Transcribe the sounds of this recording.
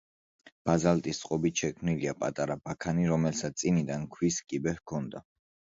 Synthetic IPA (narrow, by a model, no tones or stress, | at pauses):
b̥azalt̪ʼist̪sʼqʼɔbit̪ʃɛkʰmniliapʼat̪ʼaɾabakʰaniɾɔmɛlsat̪sʼinid̪ankʰwiskʼibɛhkʰɔnd̪a